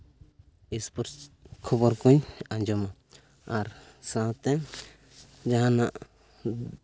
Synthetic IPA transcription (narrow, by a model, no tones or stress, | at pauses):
ispuɾkʰɔbɔɾkũɲãɲd͡ʒɔma | aɾsãt̪ɛ | d͡ʒaɦãnaʔ